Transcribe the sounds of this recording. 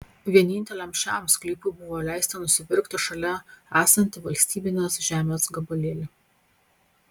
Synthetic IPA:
ʋʲiɛnʲɪnʲt̪ʲɛlʲɛmʲʃʲt͡ʃʲæmsʲklʲiːpʊɪbʊʋoːlʲæˑɪsʲt̪ʲɐnʊsʲɪpʲɪɾkt̪ɐʃɐlʲɛæːsɐnʲt̪ʲɪʋɐlʲsʲt̪ʲiːbʲɪnʲeːsʒʲæːmʲeːsɡɐbɐlʲeːlʲɪ

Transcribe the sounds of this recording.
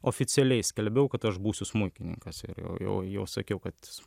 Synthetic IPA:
oːfʲɪt͡sʲɛlʲɛɪsʲkʲɛlʲbʲɛʊkɐt̪ɐʃbuːsʲʊsmʊɪkʲɪnʲɪ̰ŋkɐsɪ̰ɾjɛ̰ʊjɛ̰ʊjɛʊsɐkʲɛʊkɐt̪

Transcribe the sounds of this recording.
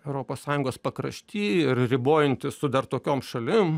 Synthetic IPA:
ɛʊɾoːpoːssɑːjʊŋɡoːspɐkɾɐ̰ʃʲt̪ʲiːɪɾrʲɪboːjɪnʲt̪ʲɪssʊd̪ɐrt̪oːkʲoːmʃɐlʲɪm

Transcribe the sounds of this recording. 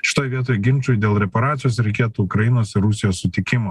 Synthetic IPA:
ʃʲɪ̥t̪oːjʋʲiɛt̪oːjɡʲɪnʲt͡ʃʲuːjd̪ʲeːlˠɾʲɛpɐɾɑːt̪sʲɪjoːsɾʲɛɪkʲeːt̪uʊkɾɐjɪnoːsɪɾʊsʲɪjoːssʊt̪ʲɪkʲɪmoː

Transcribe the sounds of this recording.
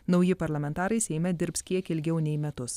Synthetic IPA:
nɒʊjɪpɐɾlˠɐmʲɛnt̪ɑːɾɐɪsʲɛɪmʲɛd̪ʲɪɾpskʲiɛkɪlʲɡʲɛʊnʲɛɪmʲɛt̪ʊs

